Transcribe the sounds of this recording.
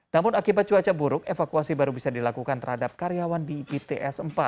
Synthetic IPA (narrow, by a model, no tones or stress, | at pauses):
namʊnakibat̪̚t͡ʃuat͡ʃabuɾʊk̚efakuasibaɾubisadilakukant̪ərhadap̚kaɾiawandibet̪eʔɛsəmpa̰t̪̚